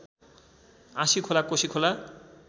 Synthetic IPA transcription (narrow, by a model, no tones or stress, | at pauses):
ãʃikʰolakoʃikʰola